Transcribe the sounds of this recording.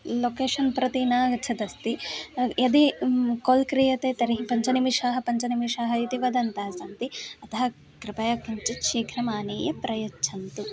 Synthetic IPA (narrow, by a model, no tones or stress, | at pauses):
loːkeːʂɐnpɾɐt̪inaːɡɐt͡ʃʰɐd̪ɐst̪ijɐd̪eːkoːlkɾijɐt̪eːt̪ɐɾiɦipɐɲt͡ʃɐnimiʃaːɦɐ̆pɐɲt͡ʃɐnimiʃaːɦɐit̪iʋɐd̪ɐnt̪ɐːɐsɐnt̪iɐt̪ɐɦɐ | kɾɪpɐjaːkɐɲt͡ʃit̪ʃiːkʰɾɐmaːneːjɐpɾɐjɐt͡ʃʰɐnt̪u